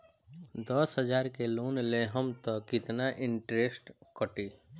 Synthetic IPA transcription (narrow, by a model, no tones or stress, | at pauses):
d̪ɔsɦəd͡ʒaːɾkeloːnleɦəmt̪ɔkɪt̪naʔɪ̃ɳʈɾesʈkəʈiː